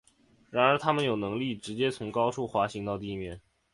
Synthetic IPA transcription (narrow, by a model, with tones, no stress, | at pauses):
ɻa˧˥nə˞˧˥t̪ʰa˥mə˨njo˨˩ʊnɤ˧˥ŋli˥˩ʈ͡ʂɻ̩˧˥t͡ɕjɛ˥t͡sʰʊ˧˥ŋkɑ˥ʊʈ͡ʂʰu˥˩xwa˧˥ɕi˧˥ŋt̪ɑ˥˧ʊt̪̬i˥˩mjɛ˥˩n